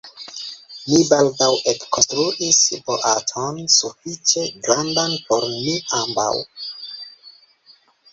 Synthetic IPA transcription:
mibaldawekkonstɾuʔisboʔatʰonsufit͡ʃe̞ɡɾandanpo̞ɾmiʔamba̰w

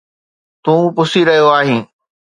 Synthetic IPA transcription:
t̪ũːpʊsiɾɐɦijoaːɦĩː

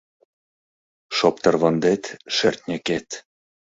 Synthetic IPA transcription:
ʃop̚t̪ɤrβɤnd̪et̪ʃert̪ʲnʲɘket̪

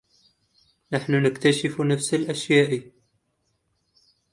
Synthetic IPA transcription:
naħnʊnɪkt̪aʃɪfnafsalʔaʃjaːʔ

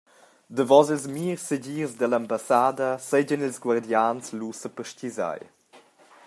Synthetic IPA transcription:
d̪əvɔzəlzmiːrsəɟirzd̪əlambasad̪əsɛɟənilzɡward̪janslusəpəʃciza̰j

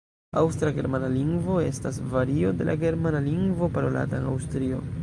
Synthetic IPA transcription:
awstɾaɡe̞ɾmanaliŋɡvo̞e̞stasvaɾio̞de̞lʔa̰ɡe̞ɾmanaliŋɡvo̞paɾo̞la̰taena̰wstɾio̞̰

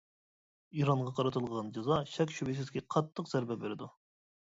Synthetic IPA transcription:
iɾɑɴʁɑqʰɑɾɨt̪ʰɨlˠʁɑnd͡ʒɑzɑʃɛkʲʃybɪs̬ɪzkʲɛqʰɑt̪ʰːəqzæɾbɛbeɾɪd̪u

